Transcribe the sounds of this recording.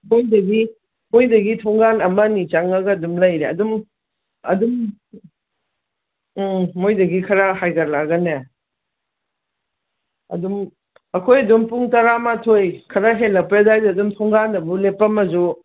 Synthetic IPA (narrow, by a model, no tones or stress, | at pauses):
mojdɐɡi | mojdɐɡitʰɔŋɡanɐmɐnit͡ʃaŋɐɡɐdumlɐjɾeɐ̰dum | ɐ̰dum | ojdɐɡikʰɐɾahajɡɐɾlaɡɐne | ɐ̰dum | ɐkʰojɐdumpuŋtaɾamatʰojkʰɐɾaɦelːɐpjadajdɐdumtʰɔŋɡanɐbulepːɐmɐzu